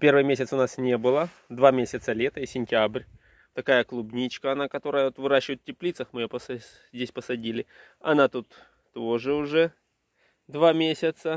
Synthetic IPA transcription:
pʲe̞rvɨjmʲesʲɪt̪sʊnasnʲe̞bɨlˠə | d̪vamʲesʲɪt̪səlʲet̪əisʲɪnʲtʲabrʲ | t̪ɐkajəklˠubnʲit͡ɕkəɐnakɐt̪o̞ɾəjəot̪vɨɾaɕːɪvəjɪt̪tʲːɪplʲit̪səxmɨjopəsɐ | zʲdʲesʲpəsɐdʲilʲɪ | ɐnat̪ut̪ː | oʐɨʊʐɛ | d̪vamʲesʲɪt̪sə

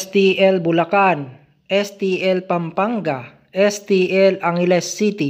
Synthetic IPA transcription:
st̪iɛlbulakan | ʔɛst̪iɛlpampaŋɡa | ɛst̪iɛlaŋilɛsːit̪i

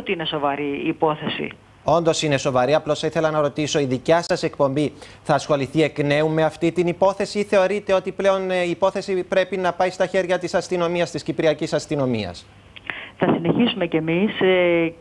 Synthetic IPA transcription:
t̪iineso̞vɐɾiːpo̞θesḭ | o̞nd̪o̞sine̞so̞vɐɾiɐplosθɐiθe̞lɐnɐɾo̞t̪iso̞iðicɐsɐse̞k̚po̞mbi | θɐːsxo̞liθie̞kne̞umːe̞ɐft̪it̪inipo̞θe̞siθe̞o̞ɾit̪e̞o̞t̪iple̞o̞niːpo̞θe̞sipɾe̞pinɐpɐist̪ɐçe̞ɾʝɐt̪isɐst̪ino̞miɐst̪iscipɾiɐcisɐst̪ino̞miɐ̰s | θɐsine̞çisume̞cemis

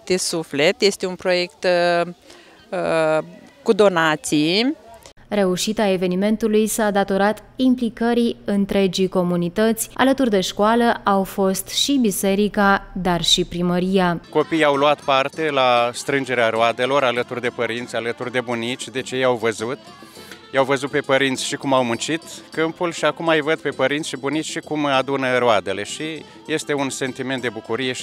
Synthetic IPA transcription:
d̪̥esuflet̪je̞st̪eunpɾo̞je̞kt̪ | kud̪o̞nat̪si | ɾe̞uʃit̪ae̞ve̞nime̞nt̪ulujsad̪at̪o̞ɾat̪implikəɾiɨnt̪ɾe̞d͡ʒiko̞munit̪ət̪sʲa̰lət̪urd̪e̞ʃkoaləʔawfo̞st̪ʃibise̞ɾikad̪arʃipɾiməɾijako̞pijawluat̪part̪e̞last̪ɾɨnd͡ʒe̞ɾeaɾoad̪e̞lo̞ɾalət̪urd̪e̞pəɾint̪sʲalət̪urd̪e̞bunit͡ʃʲd̪e̞t͡ʃjejawvəzut̪ | jawvəzut̪̚pe̞pəɾint̪sʲʃikumawmunt͡ʃit̪kɨmpulʃiakumajvəd̪̚pe̞pəɾint̪sʃibunitt͡ʃʲʃikumad̪unəɾoad̪e̞le̞ʃi | je̞st̪e̞unse̞nt̪iment̪d̪e̞bukuɾije̞ʃ

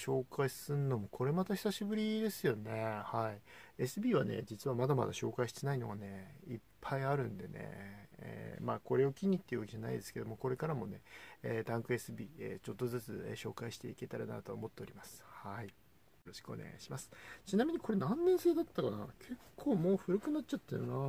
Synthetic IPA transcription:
ɕo̞ːkʰaisɨnːo̞mo̞kʰo̞ɾe̞mat̪açi̥saɕibɯ̟ɾʲid̪e̞sɨjo̞ne̞haie̞sɨbʲiːβa̰ne̞̰d͡ʑit͡sɨβamad̪ama̰d̪aɕo̞ːkaiɕi̥t̪enaino̞ɡane̞ipʰːaiaɾɯ̟̃nd̪e̞ne̞̰ḛːmaːko̞ɾe̞okʲiɲ̟ːit̪ːe̞iɯβakʲiʑana̰id̪e̞sɨ̥ke̞d̪o̞moko̞ɾe̞kaɾamo̞ne̞eːd̪ãŋkɯ̟e̞sɨbʲiːḛt͡ɕo̞t̪ːo̞zɨt͡sɨeɕo̞ːkaiɕi̥t̪e̞ike̞t̪aɾa̰na̰t̪o̞ːmo̞t̪ːe̞o̞ɾʲimasɨ̥hai | jo̞ɾo̞ɕi̥kɯone̞̰ɡa̰iɕimasɨ̥t͡ɕinamʲiɲ̟iko̞ɾe̞nãnːẽse̞ːd̪at̪ːakana̰kʰe̞kʰːo̞ːmo̞ːɸɯ̟ɾɯ̟kɯ̟natt͡ɕat̪ːejɯna

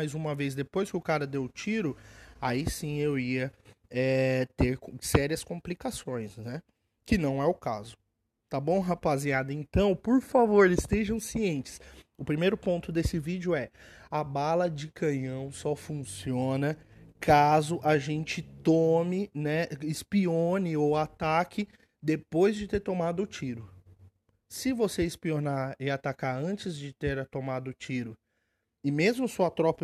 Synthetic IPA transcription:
ajzũmɐvez̬d̪epojskɪʊkaɾɐd̪ewt͡ʃiɾʊaisĩewiɐɛt̪eɾksɛɾiɐskõmplikasõj̃snɛ | kɪnɐ̃w̃ɛʊkazʊ | t̪abõw̃ɦapaziad̪ɐẽnt̪ɐ̃w̃poɾfavoɾɪst̪eʒɐ̃w̃siẽnt͡ʃɪ̥sʊpɾimejɾʊpõnt̪ʊd̪esɪvid͡ʒʊɛabalɐd͡ʒɪkʰɐ̃ɲɐ̃w̃sɔfũsiõnɐkʰazʊʔaʒẽnt͡ʃɪt̪omɪnɛɪspiõnɪowat̪akʰɪ | d̪epojzd͡ʒɪt̪eɾt̪omad̪ʊːt͡ʃiɾʊ | sɪvoseɪspionaɪat̪akaɾɐ̃nt͡ʃɪzd͡ʒɪt̪eɾɐt̪omad̪ʊːt͡ʃiɾʊ | ɪmezmʊsuɐt̪ɾɔpɐ

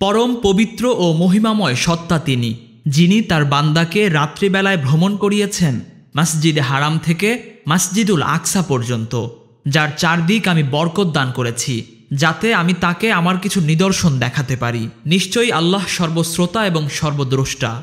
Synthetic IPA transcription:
pɔɾompobit̪ːɾoʔomoɦimamɔeʃɔt̪ːat̪ini | d͡ʑinit̪aɾband̪akeɾat̪ːɾibɛlaebʱɾomonkoɾijet͡ɕʰen | masd͡ʑid̪ɦaɾamt̪ʰekemasd͡ʑid̪ula̰kʃapɔɾd͡ʑont̪o | d͡ʑaɾt͡ɕaɾd̪ikamibɔɾkot̪̚d̪ankoɾet͡ɕʰi | d͡ʑat̪eamit̪akeamaɾkit͡ɕʰunid̪oɾʃond̪ɛkʰat̪epaɾiniʃt͡ɕojalːaɦʃɔɾbosɾot̪aeboŋʃɔɾbod̪ɾoʃʈa̰

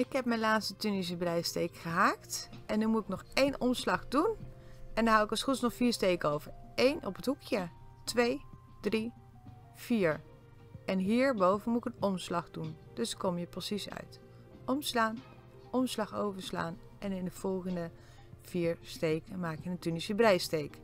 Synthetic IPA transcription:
ɪkɦɛp̚mɛnlaːtstətynis̬əblɛjstejkχəɦaːktʔɛnːymutɪknɔχejnɔmslɑχdunɛndɑɦawɪkɑsχutsnɔχfiːɹstejkəowvəɹejnɔ̰pətɦukjə | tʋej | d̥ri | v̥iːɹ | ɛnɦiːɹbowvənmutɪkənɔmslɑχdun | d̥ɵskɔmjəprosisœ̰ɥt | ʔɔmslaːn | ʔɔmslɑχowvəɹsla̰ːn | ʔɛnɪnəv̥ɔlˠχəndə | v̥iːɹstejkəmaːkjəəntynisəbrɛjstejk

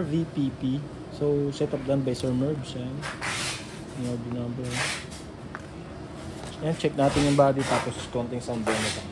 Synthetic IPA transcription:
vipipi | sowsɛt̪ɐp̚d̪anbɐjsɛɹmɛɹbsan | ɪŋɛɹbnɐmbɛ | jant͡ʃɛk̚naːt̪ɪnjʊŋbaːd̪it̪aːposkont̪ɪŋsɐɐnbɛːnɛt̪ɐ

